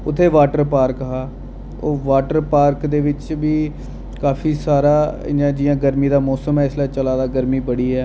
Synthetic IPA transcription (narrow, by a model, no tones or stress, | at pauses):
ʊt̪ʰːeːʋaːʈəɾpaːɾkəɦaː | oːʋaːʈəɾpaːɾkd̪eːʋɪt͡ʃʋiː | kaːfʰiːsaːɾaːjãːd͡ʒɪjãːɡəɾmiːd̪aːmɔːsəmɦɛːɪslaːt͡ʃəlaːd̪aːɡəɾmiːbəɽiːɦɛː